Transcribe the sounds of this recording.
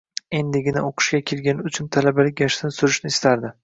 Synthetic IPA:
e̞nd̪ɪɡʲɪnaoqʰʊ̥ʃkʲakʲʰe̞lɡʲanɪʊt͡ʃʰʊnt̪ʰalabalɪkʲjaʃt̪ɪnsʊɾɪʃnɪɪst̪ʰaɾd̪ɪ

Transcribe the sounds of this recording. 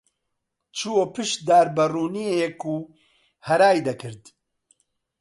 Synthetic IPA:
t͡ʃʰuwoːpɨʃd̪aːɾbɐruːniejɛkuː | hɐɾaːjd̪ɐkʰɨɾd̪

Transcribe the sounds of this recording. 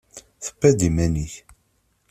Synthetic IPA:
θə̥pːæd̪imæniç

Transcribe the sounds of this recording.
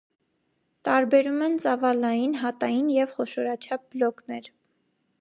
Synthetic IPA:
t̪ɑɾbɛɾumɛnt͡sɑvɑlɑjinɦɑt̪ɑjinjɛvχɔʃɔɾɑt͡ʃʰɑp̚blɔknɛɾ

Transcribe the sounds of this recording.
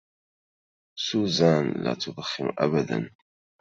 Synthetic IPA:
suːzaːnla̰ːt̪ʰʊd̪ˤxːɪmʔa̰bad̪a̰n

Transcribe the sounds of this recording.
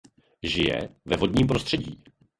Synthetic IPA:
ʒɪjɛ̰vɛvo̞dɲiːmpɾost̪r̥ɛɟḭː

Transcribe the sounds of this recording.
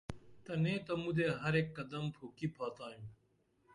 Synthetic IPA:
t̪ɐnẽːt̪ɐmud̪eːɦɐɾeːkːɐd̪əmpʰoːkiːpʰaːt̪aːjũː

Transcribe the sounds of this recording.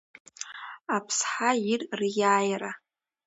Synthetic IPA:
apʰsħairrjaːjra

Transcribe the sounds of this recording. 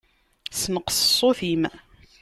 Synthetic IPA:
sməqssˤːoθim

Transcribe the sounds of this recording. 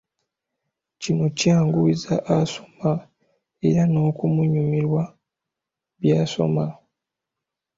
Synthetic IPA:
cino̞caːŋɡuizaʔaso̞̥ma | e̞̰ɾano̞ːkumuɲumiɾwa | βjaːso̞̰ma

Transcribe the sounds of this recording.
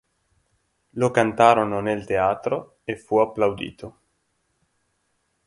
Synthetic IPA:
lokant̪aɾononelt̪eaːt̪ɾo | efuapːlawd̪ḭːt̪o

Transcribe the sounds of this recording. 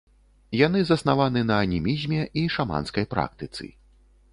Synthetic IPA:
janɨzɐsnavanɨnɐːnʲimʲizʲmʲɛʔiʂama̰nskɐjpɾa̰k̚t̪ɨt̪sɨ̰

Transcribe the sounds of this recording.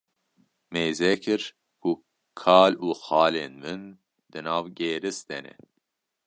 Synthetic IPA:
meːzɛkʰɨɾ | kʰu | kʰɑːluːxɑːleːnvɨn | d̪̥ɨnɑːvɡeːɾɨsd̪ɛnɛ̰

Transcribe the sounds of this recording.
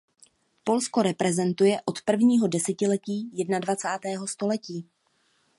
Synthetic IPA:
po̞lsko̞ɾɛpɾɛzɛnt̪ujɛʔo̞t̪pr̩vɲiːɦo̞dɛsɛcɪlɛciːjɛdnadvat͡saːt̪ɛːɦo̞st̪o̞lɛciː

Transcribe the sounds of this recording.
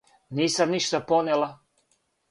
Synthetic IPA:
niːsamniʃt̪aponelˠa

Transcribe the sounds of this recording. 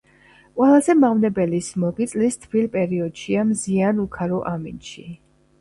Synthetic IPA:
qʼwɛlˠazɛmaʁvnɛbɛlismɔɡit̪sʼlist̪ʰbilpʼɛɾiɔd̪̥ʃiamzianukʰaɾɔʔamḭnʃi

